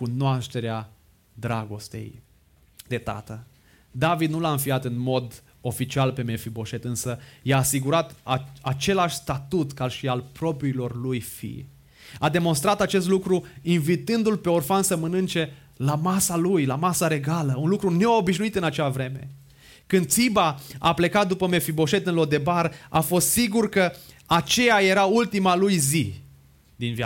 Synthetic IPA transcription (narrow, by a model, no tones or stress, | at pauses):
kunoaʃt̪e̞ɾea | d̪ɾaɡo̞st̪e̞̰j | d̪e̞t̪a̰t̪ə | d̪avid̪̚nulaɨnfiat̪ɨnmo̞d̪ | o̞fit͡ʃialpe̞mefibo̞ʃe̞t̪ɨnsəjaːsiɡuɾat̪aat͡ʃe̞laʃʲst̪at̪ut̪kaʃialpɾo̞pɾiːlo̞rlujfḭj | ad̪e̞mo̞nst̪ɾat̪at͡ʃe̞s̬t̪lukɾuinvit̪ɨnd̪ulpe̞orfansəmənɨnt͡ʃe̞ | lamasalujlamasaɾe̞ɡaləunlukɾune̞o̞biʃnuit̪ɨnat͡ʃeavɾe̞me̞̰ | kɨnd̪̚t̪sibaa̰ple̞kat̪̚d̪upəme̞fibo̞ʃe̞t̪ɨnlo̞d̪e̞baɾa̰fo̞st̪siɡurkə | at͡ʃe̞jaje̞ɾault̪imalujzi | d̪invja